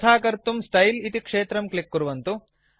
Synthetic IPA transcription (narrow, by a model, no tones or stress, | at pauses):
t̪ʰaːkɐɾt̪umsʈɐjlit̪ikʂeːt̪ɾɐmklikːuɾuʋɐnt̪u